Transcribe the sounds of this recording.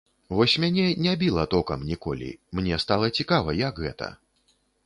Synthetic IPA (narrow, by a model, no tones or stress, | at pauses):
vɔsʲmʲanʲɛnʲɛabʲilˠɐt̪ɔkɐmnʲikɔ̰lʲḭmnʲɛst̪alˠɐt͡sʲikavɐjɐɡɣɛt̪ɐ̰